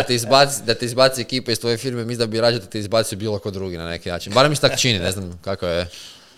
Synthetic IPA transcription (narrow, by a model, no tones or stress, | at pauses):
t̪eizbat̪sid̪at̪eizbat̪siekiːpeist̪ʋo̞je̞fiɾmemisd̪abiɾad͡ʒed̪at̪eizbaːt̪sibiːlˠokod̪ɾuːɡinane̞̰kina̰ːt͡ʃinbaɾemiset̪akt͡ʃinineznamkakae